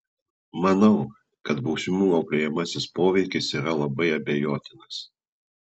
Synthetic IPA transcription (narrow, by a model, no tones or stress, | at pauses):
mɐnɐʊ | kɐt̪bɒʊsʲɪmuːɐʊpʲɾʲɪjɛmɐsʲɪspoːʋʲɛɪkʲɪsiːɾɐlˠɐbɐɪɐbʲejoːt̪ʲɪnɐs